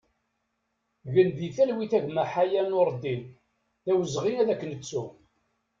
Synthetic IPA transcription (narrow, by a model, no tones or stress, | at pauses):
ʝənðiθælwiθæʝmæħajænʊɾˤd̪in | ðæwəzʁinæðækːənət͡sːu